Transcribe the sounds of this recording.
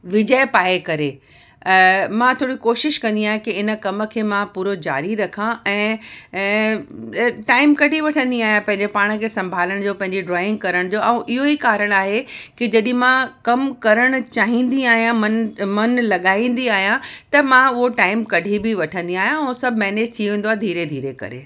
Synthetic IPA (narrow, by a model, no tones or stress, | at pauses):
ʋɪd͡ʑəjpaːekɐɾe | mãt̪ʰoːɽikoːʃɪʃkɐ̃nd̪iaːɦẽkiɪnə̆kɐmə̆kʰeːmãpuːɾod͡ʑa̰ːɾiɾɐkʰãʔɛ̃ː | ʈaːɪmkɐɖʱiʋɐʈʰə̃nd̪iaːɦijãpɐ̃ɦɪ̃ɲd͡ʑepaːɽ̃̆kʰeːsɐ̃mbʱaːləɽ̃d͡ʑoːpɐ̃ɦɪ̃ɲd͡ʑiɖɾaːɪ̃ŋɡ̚kɐɾəɽ̃d͡ʑoːɛ̃ːʔɪɦoikaːɾəɽ̃aːɦekid͡ʑɐɗ̃mãkɐmkɐɾəɽ̃ʊt͡ɕaːɦĩnd̪iaːɦijãmɐnmɐnlɐɠaːĩːn̆d̪iaːɦijãt̪ɐmãʊɦoʈaːɪmkɐɖʱibɪʋɐʈʰə̃nd̪iaːɦijãũsɐbʱmɛːned͡ʑt̪ʰiʋẽːndoaːed̪ʱiːɾed̪ʱiːɾekɐ̰ɾḛː